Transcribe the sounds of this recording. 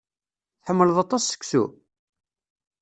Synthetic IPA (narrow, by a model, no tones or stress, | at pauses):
θħəmːələðˤɑt̪ˤɑsːə̥kːsṵ